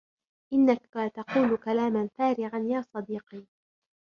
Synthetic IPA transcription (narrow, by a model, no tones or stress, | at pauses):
ʔɪnːakat̪ɑquːlʊkalaːmanfaːɾɪʕanjaːsˤɑd̪iːqiː